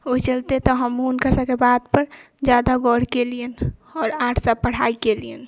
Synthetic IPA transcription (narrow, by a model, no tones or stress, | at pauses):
oit͡ʃəlt̪et̪ɔɦəmunkəsakebad̪pəɾ | d͡ʒad̪aɡɔɽ̤kelienɔːɾaːʈʰsapəɽ̤aikelien